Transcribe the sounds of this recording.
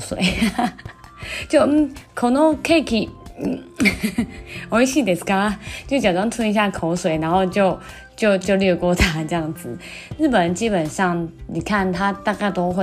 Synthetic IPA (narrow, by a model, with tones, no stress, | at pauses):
swḛ˨˩˦ɪ | t͡ɕjo˥˧˥kʰo˨˩nɔ˥˦kʰe˥˧kʰi˨˩˥ | wo˧i˦ɕi˥˧t̪ɛ˨˩ska˥t͡ɕjo˥˩t͡ɕja˨˩tɔ˥ŋt̪ʰwə˥ni˧ɕ̬ja˥˧kʰo˧˥ʊswe˨˩ɪna˧˦nxo˥˧ʊt͡ɕjo˥˧ʊ | t͡ɕjo˥˧ʊt͡ɕjo˥˧ʊlɥɛ˥˧kwɔ˥˨t̪ʰa˥t͡ɕe˥ja˥˩ŋd͡zɹɨ˨˩ | ɻ̩˥˩pə˨˩nt͡ɕi˦˥pə˨˩nʂɑ˥˧ŋni˨˩kʰa˥˧˨nt̪ʰa˥˦t̪a˥˧ka˥˧ɪt̪o˥xwe˥˧